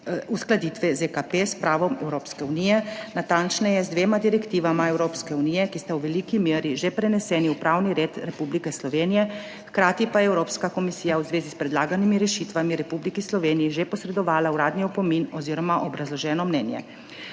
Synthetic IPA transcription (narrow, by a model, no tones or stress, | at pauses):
usklad̪iːt̪ʋɛzekapespɾaːʋɔmɛwɾoːpskɛunijɛnat̪ant͡ʃnɛjɛzd̪ʋeːmad̪iɾɛkt̪iːʋamaɛwɾoːpskɛunijɛkist̪awʋɛlikimeːɾiʒepɾɛnɛsɛːniwpɾawniɾeːt̪ɾɛpublikɛslɔʋeːnijɛ | xkɾaːt̪ipajɛwɾoːpskakɔmisiːjawzʋeːzispɾɛd̪laːɡanimiɾɛʃit̪ʋamiɾɛpublikislɔʋeːnijiʒepɔsɾɛd̪ɔʋaːlauɾaːd̪niɔpɔminɔziːɾɔmaʔɔbɾazlɔʒɛːnɔmnɛːnjɛ̰